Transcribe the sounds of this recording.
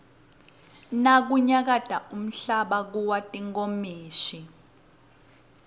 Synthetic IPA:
nak̬uɲak̬ad̥ʱaum̩ɬaɓak̬uwatʼiŋkomiːʃi

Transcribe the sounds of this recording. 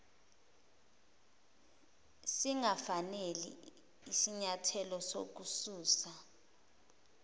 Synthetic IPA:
siŋafanelḭ | isiɲatʰɛlɔso̰k̬usuːsa

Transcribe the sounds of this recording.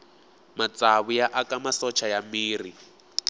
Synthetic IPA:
mat͡saβujaʔakamasɔt͡ʃʰajamiːri

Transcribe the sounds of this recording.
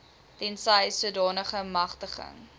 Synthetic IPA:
tɛnsɐjsuədɑːnəχəmɐχtəχə̰ŋ

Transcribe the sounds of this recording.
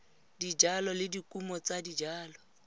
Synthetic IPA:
did͡ʒalɔlɪdikʼumɔt͡sadid͡ʒaːlɔ

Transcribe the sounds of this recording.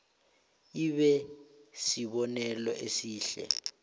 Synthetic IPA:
iɓɛsiɓɔnɛlɔ̰ʔesiːɬɛ̰

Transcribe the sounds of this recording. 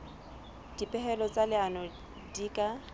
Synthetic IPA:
d̥ipʼɛɦɛlɔt͡sʼalɪanɔ | diːkʼa

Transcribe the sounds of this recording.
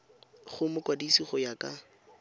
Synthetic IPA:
χʊmʊkwadisiχɔjakʼa

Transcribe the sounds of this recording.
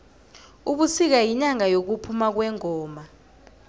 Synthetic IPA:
uɓusik̬ajiɲaŋajok̬upʰumak̬wɛŋɔːma

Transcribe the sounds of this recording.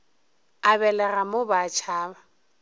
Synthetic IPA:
abɛlɛramobat͡ʃʰaːba

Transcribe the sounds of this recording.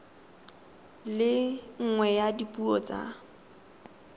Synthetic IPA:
lɪŋ̩ŋwɛjadipʼuɔt͡sʼa̰

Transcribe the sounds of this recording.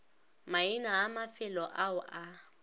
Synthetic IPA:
mainaːmafɪlɔʔaʊʔa

